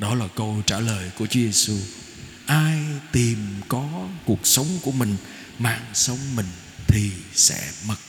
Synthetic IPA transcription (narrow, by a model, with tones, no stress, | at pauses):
ɗɔ˨˦laː˨˩kə˧wt͡ɕaː˧˩ləː˨˩jku˧˩ət͡ɕu˨˦ze˧su˧ | ʔaː˧jt̪i˨˩mkɔ˨˦ku˨˩ək̚sə˨˦wŋ͡mku˧˩əmï˨˩ŋ̟ | ma̰ː˧˨nsə˨˦wŋ͡mmï˨˩ŋ̟ | t̪ʰi˨˩sɛ̰˧˥mə˨˩t̚